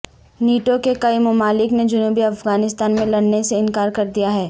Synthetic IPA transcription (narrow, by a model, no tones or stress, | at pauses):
niːʈokekɐimɐmaːlɪkned͡ʒʊnuːbiɐfɡaːnɪst̪aːnmẽlɐɽneseɪnkaːɾkɐɾd̪ijaɦɛː